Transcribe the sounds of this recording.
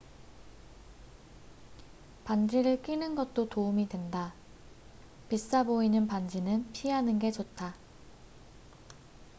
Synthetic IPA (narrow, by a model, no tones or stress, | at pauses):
pand͡ʑiɾɯɭk͈inɯnɡʌt̚t͈otoumidwe̞nda | pis͈aboinɯnpand͡ʑinɯnpʰiɦanɯnɡe̞t͡ɕot̚tʰa